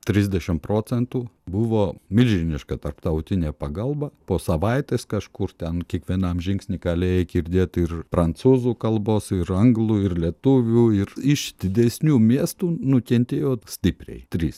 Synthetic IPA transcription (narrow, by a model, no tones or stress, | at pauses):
t̪ʲɾʲɪzʲd̪ʲɛʃʲɪmpɾoːt͡ssʲɛnt̪uːbʊʋoːmʲɪlʲʒʲɪnʲɪʃkɐt̪ɐrpt̪ɐʊt̪ʲɪnʲeːpɐɡɐlˠbɐpoːsɐʋɐɪt̪ʲeskɐʃkʊrt̪ʲɛnkʲiɛkʋʲiɛnɐmʒʲɪŋksʲnʲɪɡɐlʲeːjɛkʲɪɾʲd̪ʲeːɛt̪ɪrpɾɐnsuːzuːkɐlˠboːsɪɾɐŋɡlˠuɪrlʲiɛt̪ʊʋʲuːɪrɪʃd̪ʲɪd̪ʲɛsʲnʲuːmʲiɛst̪uːnʊkʲɛnʲt̪ʲeːjoːsʲt̪ʲɪpʲɾʲɛ̰ɪt̪ʲɾʲiːs